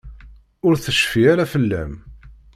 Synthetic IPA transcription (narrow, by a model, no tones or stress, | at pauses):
ʊɾθəʃfiaɾafəlːæ̰m